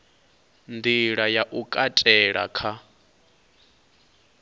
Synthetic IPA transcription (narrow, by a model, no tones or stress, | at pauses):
ndiɺajaʔukʼatʼɛɺa̰kʰa